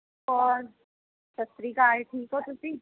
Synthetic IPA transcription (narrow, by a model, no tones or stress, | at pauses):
kɔːɾ | sɐst̪ɾikaːeʈʰiːkɔt̪ʊsiː